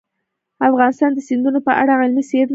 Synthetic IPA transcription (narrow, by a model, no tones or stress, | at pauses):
afɣɑnɪst̪ɑnd̪əsɪnd̪unopəʔa̰ɽaɣɪlmised̪